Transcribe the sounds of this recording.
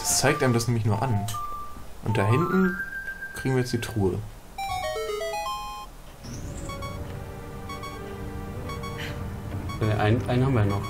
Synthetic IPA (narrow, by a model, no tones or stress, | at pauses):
t͡saɪk̚tʔaːɪmdasnɛːmlɪç̬nuːɐʔan | ʔʊnt̚d̥aːɦɪntn̩kʰʁ̥iːɡŋviːɐjɛt͡ssd̥iːtʁ̥uːə | aiɐʔanʔaɪnhamvɐnɔχ